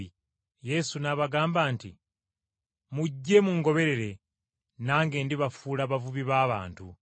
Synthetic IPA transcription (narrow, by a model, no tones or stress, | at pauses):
je̞sunaβaɡaːmbaːntḭ | muɟːe̞muŋɡo̞βe̞ɾe̞ɾe̞ | naːŋɡe̞ːndiβafuːlaβavuβiβaːβa̰ːntu